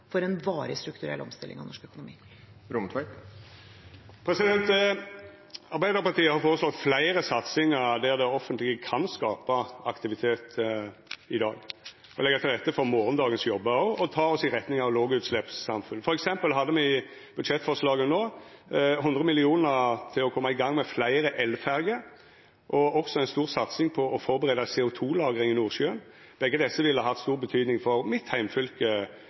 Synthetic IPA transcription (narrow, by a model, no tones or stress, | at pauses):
fɔɾɛnʋɑːɾəst̪ɾʉkt̪ʉɾɛ̰lːɔ̰mst̪ɪlːɪ̰ŋɑ̰ʋnɔʂkœkʊnʊmḭː | ɾʊmt̪ʰʋæɪ | pʰɾɛsɪd̪ɛnt̪ | ɑɾbæɪd̪əɾpɑʁt̪iːəhɑɾfoːɾəslɔt̪flæɪɾəsɑt̪sɪŋəɾd̪æʁd̪ɛɔfːənt̪lɪkəkʰɑnskɑːpəɑkt̪ɪʋɪt̪ʰeːt̪ | ɪd̪ɑ̰ːɡ | ɔlɛɡːət̪ʰɪld̪ɛt̪ːəfɔɾmoːɾənd̪ɑːɡənsjɔbːəɔɔt̪ʰɑːɔsɪɾʁɛt̪nɪŋɑʋloːɡʉːt̪slɛpsɑmfʉnːfɔɾɛksɛmpəlɦɑd̪ːəmɛɪ | b̥ʉd̪ʂɛt̪ːfɔʂlɑːɡənoː | ɦʉnd̪ʁəmɪlɪuːnəɾt̪ʰɪlɔkʰɔmːɑɪɡɑŋːmɛflæɪɾəʔɛlfæɾɡə | ʔɔɔksɔæɪnst̪uːʁsɑt̪sɪŋpʰɔʔɔfɔɾbəʁeːd̪ɑseːʊt̪ʰuːlɑːɡəʁɪŋɪnuːʁʃøːən | b̥ɛɡːəd̪ɛsːəʋɪlːəɑɦɑt̪st̪uːʁbət̪ʰyːd̪nɪŋfɔɾmɪt̪hæɪmfʏlkə